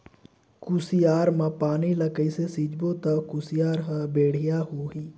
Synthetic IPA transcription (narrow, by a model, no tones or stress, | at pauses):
kusijaːɾmãpaːniləkəisesid͡ʒboːt̪ɐkʊsɪjaːɾɦəbeːɽ̤ɪjaːɦoːɦiː